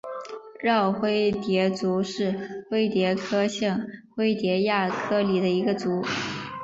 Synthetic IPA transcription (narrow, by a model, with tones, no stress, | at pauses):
ɻɑ˥˩ʊxwe˥ɪt̪jɛ˧˥t͡su˧˥ʂɻ̩˥˧xwe˥˩ɪt̪jɛ˧˥kʰɤ˥ɕɤ˥˩ŋxwe˥ɪt̪jɛ˧˥ja˥˩kʰɤ˥li˨˩d̪ə˦i˧˥ɡə˧t͡su˧˥